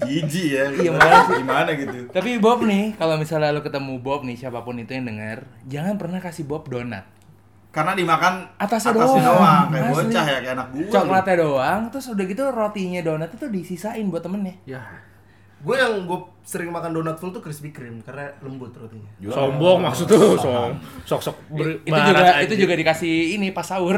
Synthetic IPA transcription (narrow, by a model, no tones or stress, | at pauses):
d͡ʒid͡ʒijaɡamaanasimanaɡit̪ut̪apibɔp̚nɪkalomisalɲalokət̪əmubɔp̚nɪhsiapapʊnit̪ujaŋdəŋərd͡ʒaŋanpərnahkasibɔp̚dona̰t̪̚ | kaənadimakanat̪as̬ɲadoasaisaaŋaaot͡ʃahjakaanak̚dut͡ʃaklat̪adoaŋt̪ʊsudaɡit̪urot̪iɲadonat̪it̪udisisaɪnbuat̪ːəmənɲaja | ɡuajaŋɡua | səɾɪŋmakandonat̪fəlt̪ukɾɪsbikɾɪmkarnaləmbʊt̪̚rot̪iɲasɔŋbɔŋmaksʊt̪ːʊsɔŋsɔksɔk̚bit̪ud͡ʒuɡait̪ud͡ʒuɡadikasihːnipasaʊr